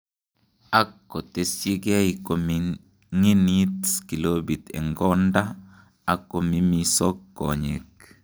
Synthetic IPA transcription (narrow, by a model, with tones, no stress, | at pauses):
a˦kːo˨t̪e˨si˦ɡɛ˦iko˨mi | ŋi˦ni˦tski˨lobi˨t̪ɛ̰˨ŋɡɔ˦nda˦ | a˨kːo˨mi˦misɔ˦kːo̰˨ɲḛ˨k̚